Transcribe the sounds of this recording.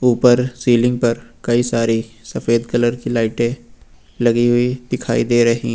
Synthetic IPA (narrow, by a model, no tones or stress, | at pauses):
uːpəɾsiːlɪ̃ŋɡ̚pɐɾkɐisaːɾisɐfeːd̪kɐləɾkilaːɪʈẽ | lɐɡiɦʊid̪ɪkʰa̰ːid̪eːɾɐɦiɦ